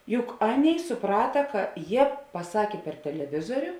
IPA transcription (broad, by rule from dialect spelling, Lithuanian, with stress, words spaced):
ˈjʊk ˈɑːˌnʲeːɪ sʊˈprɑːtɐ ˈkɐ ˈjiɛ pɐˈsɑːkʲeː pʲɛr tʲɛlʲɛˈʋʲɪzoːrʲʊ